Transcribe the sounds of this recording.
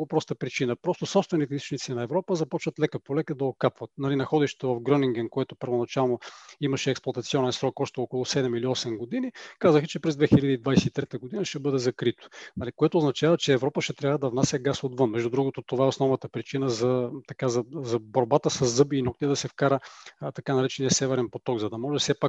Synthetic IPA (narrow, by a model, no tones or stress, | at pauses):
opɾɔst̪əpɾit͡ʃinəpɾɔst̪osɔpst̪vɛnit̪ɛist̪o̥t͡ʃnit̪sinɐɛvɾɔpəzɐpɔt͡ʃvət̪lɛkəpolɛkəd̪ɐokapvɐt̪nɐlinɐxɔd̪ɛʃt̪ɛ̥t̪ovɐfɡɾɔniŋɡɛnkoɛt̪opəɾvonɐt͡ʃalˠnoimɐʃɛːksplˠɐt̪ɐt̪siɔnɛnsɾɔkɔʃt̪ɛokolˠʊsɛd̪ɛmiliɔsɛmɡod̪inikazəxət͡ʃɛpɾɛzd̪vɛxilʲəd̪əid̪vajsɛt̪it̪ɾɛt̪əɡod̪inəʃtɛbɤd̪ɛzɐkɾit̪o̥nɐlikoɛt̪oːznɐt͡ʃavət͡ʃɛːvɾɔpəʃt̪ɛt̪ɾʲavəd̪ɐvnasʲɛɡasod̪vɤnmɛʒd̪ud̪ɾuɡot̪ot̪ovaɛosnɔvnɐət̪əpɾit͡ʃinəzɐt̪ɐkazɐzɐboɾbat̪əsɐzːɤbiːnɔk̚t̪iɛd̪ɐsɛfkaɾət̪ɐkanɐɾɛt͡ʃɛniɐsɛvɛɾɛnpot̪ɔɡzɐd̪ɐmɔʒɛsɛpak